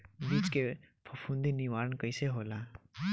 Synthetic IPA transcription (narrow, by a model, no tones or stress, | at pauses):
biːt͡ʃkepʰɐpʰũnd̪iniʋaːɾənkəɪseɦoːlaː